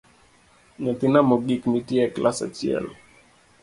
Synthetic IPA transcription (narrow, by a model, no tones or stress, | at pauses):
ɲɔt̪inamɔɡikmitiɛklasa̰t͡ʃiɛ̰l